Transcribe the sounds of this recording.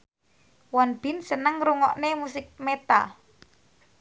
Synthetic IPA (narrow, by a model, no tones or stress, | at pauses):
wanb̥i̤nsənəŋɾuŋɔʔnemusɪk̚met̪a̰